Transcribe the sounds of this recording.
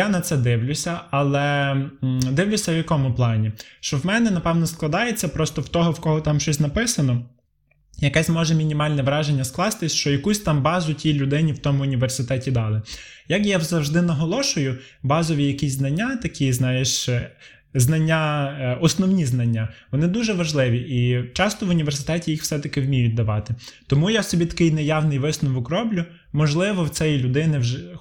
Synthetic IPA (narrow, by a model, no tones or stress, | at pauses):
janɐt̪sɛd̪ɪwlʲʊsʲɐɐlˠɛ | d̪ɪwlʲʊsʲɐwjɐkɔmʊplˠɑnʲiʃt͡ʃɔwmɛnɛnɐpɛwnɔsklˠɐd̪ɑjet͡sʲːɐpɾɔst̪ɔwt̪ɔɦɔwkɔɦɔt̪ɑmʃt͡ʃɔsʲnɐpɪsɐnɔ | jɐkɛsʲmɔʒɛmʲinʲimɑlʲnɛʋɾɑʒenʲːɐsklˠɑst̪ɪsʲʃt͡ʃɔjɐkusʲt̪ɑmbɑzʊtʲijlʲʊd̪ɪnʲiwt̪ɔmʊːnʲiʋersɪt̪ɛtʲid̪ɑlˠɪjɐkjazɐwʒd̪ɪnɐɦɔlˠɔʃʊjʊ | bɑzɔʋʲijɐkisʲznɐnʲːat̪ɐkʰʲiznɑjeʃ | znɐnʲːaɔsnɔwnʲiznɐnʲːaʋɔnɪd̪uʒɛʋɐʒlˠɪʋʲiʔit͡ʃɑst̪ɔʋʊnʲiʋersɪ̥t̪ɛtʲijixw̥fsɛt̪ɐkɪwmʲijʊt̚ʲd̪ɐʋɑt̪ɪt̪ɔmujasɔbʲit̪ɐ̥kɪjnɛjɑwnɪjʋɪsnʊʋɔkrɔblʲʊ | mɔʒlˠɪʋɔw̪sɛjilʲʊd̪ɪnɪwʒɪ